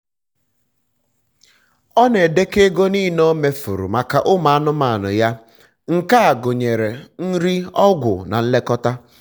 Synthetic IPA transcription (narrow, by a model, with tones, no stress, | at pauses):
ɔ˦ne˨de˦ke˦ɡo˦niː˦no˦me˦fu˨ɾṵ˨ma˨ka˨ʔʊ˦ma˨a˦nʊ˦ma˨a˨nʊ̰˨ja˦ | ŋ̩˨ka˦a˨ɡʊ˨ɲe˨ɾe˨n̩˦ɾi˦ɔ˦ɡʷʊ̰˨na̰˨n̩˦le˦kɔ˦ta˦